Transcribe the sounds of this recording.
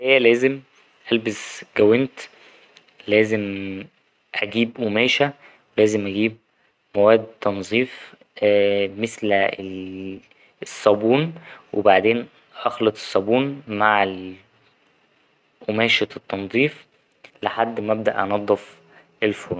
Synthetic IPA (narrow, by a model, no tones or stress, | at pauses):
hejːælæːzem | ʔælbesɡæwent̪ | læːzem | ʔæɡiːbʔomæːʃæ | welæːzemʔæɡiːb̚ | mowæːd̪t̪ːɑnzˤiːf | mesl | sˤːɑbuːnwʔebaʕd̪eːn | ʔɑxlɑt̪ˤe̥sˤːɑbuːnmaʕel | ʔomæːʃæt̪ːɑnzˤiːf | leħad̪ːmæb̚d̪æ̰ʔɑnɑd̪ˤːɑf | ʔelfoːn